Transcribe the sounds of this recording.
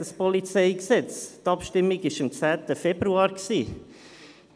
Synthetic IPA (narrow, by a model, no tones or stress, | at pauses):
əspɔlit͡seɪksɛt͡stɑpʃtɪmːiɡɪʃəmt͡sæːt̪əfɛb̥ɾuɑːɾksiː